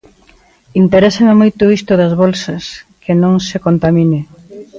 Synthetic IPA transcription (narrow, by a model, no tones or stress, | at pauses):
int̪eɾɛsɐmamojt̪ʊist̪ʊðɐzβɔlsɐskʰɪnõŋsekont̪amine